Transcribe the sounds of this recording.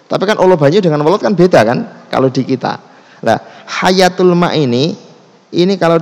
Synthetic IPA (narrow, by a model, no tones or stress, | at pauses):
t̪apikanʔulob̥a̤ɲude̤ŋanwɔlɔt̪̚kanbed̪akanka̰lod̥i̤kit̪a̰ | la̰hajat̪ulma̰ʔini | inikalo